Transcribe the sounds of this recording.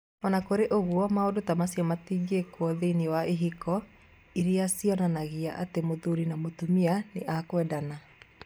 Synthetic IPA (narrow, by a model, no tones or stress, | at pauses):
ɔnakoɾeʔoɣwɔmaodotamasiɔmatiɡekwɔðeiniwaeɦikʰɔ | iɾiasiɔnanaɣiaʔa̰temoðuɾinamotumianeʔakwɛdana